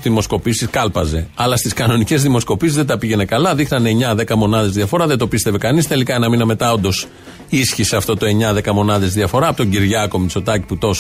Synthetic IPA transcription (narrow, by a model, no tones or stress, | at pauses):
ðimo̞sko̞pisiskɐlpɐze̞ɐlɐst̪iskɐno̞nice̞zðimo̞sko̞pisizðed̪ɐpiʝe̞ne̞kɐlɐðixnɐneeɲɐðe̞kɐmo̞nɐðe̞zðiɐfo̞ɾɐðed̪o̞pist̪e̞ve̞kɐnist̪e̞likɐenɐminɐme̞t̪ɐo̞nd̪o̞s | isçiseɐft̪o̞t̪o̞e̞ɲɐðe̞kɐmo̞nɐðe̞zðiɐfo̞ɾɐːpot̪o̞ɲɟiɾʝɐko̞mit͡so̞t̪ɐci̥put̪o̞s